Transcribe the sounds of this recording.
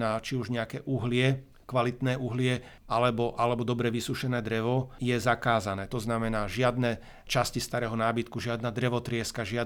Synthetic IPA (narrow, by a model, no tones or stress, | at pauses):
naːt͡ʃiuʒɲɛakɛːʔuɦlɪɛ | kʋalit̪nɛːʔuɦlɪɛ | ʔalɛbɔʔalɛbɔd̪ɔbɾɛʋisuʃɛnɛːd̪ɾɛʋɔjɛzakaːzanɛːt̪ɔznamɛnaːʒɪad̪nɛ | t͡ʃascist̪aɾɛːɦɔnaːbit̪kuʒɪad̪nad̪ɾɛʋɔt̪ɾɪɛskaʒɪad̪